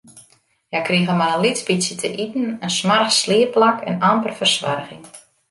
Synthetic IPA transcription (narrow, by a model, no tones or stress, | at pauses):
jakriɣəmaɾənlisbisjətʰəʔitn̩ənsmarxslɪəplakʰɛ̰nampərfərsʋa̰rɣɪŋ